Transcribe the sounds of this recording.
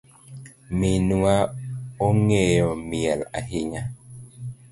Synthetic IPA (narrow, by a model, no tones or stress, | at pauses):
minuaoŋejɔmiɛla̰ɦiɲa